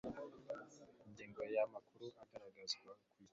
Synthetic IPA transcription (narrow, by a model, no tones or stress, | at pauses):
ndiŋɡajamakʰʊɾuʔakaɾaɡasakʷi